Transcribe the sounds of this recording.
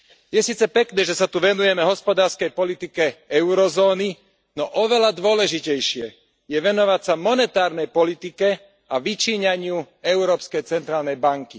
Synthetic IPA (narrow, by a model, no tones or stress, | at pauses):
jɛsiːt͡sɛpɛknɛːʒɛsat̪uʋɛnujɛmɛɦɔspɔd̪aːɾskɛjpɔlit̪ikɛɛʊɾɔzɔːni | nɔʔɔʋɛlad̪ʊɔlɛʒicɛjʃɪɛ | jɛʋɛnɔʋacsamɔnɛt̪aːɾnɛjpɔlit̪ikɛ | aʋit͡ʃiːɲaɲɪu | ɛʊɾɔːpskɛjt͡sɛnt̪ɾaːlnɛjbaŋki